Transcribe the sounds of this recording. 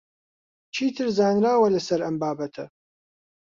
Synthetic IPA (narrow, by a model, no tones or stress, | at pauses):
t͡ʃʰiːt̪ʰɨɾzaːnraːwɐlɨsɐɾɐmbaːbɐt̪ʰɐ̰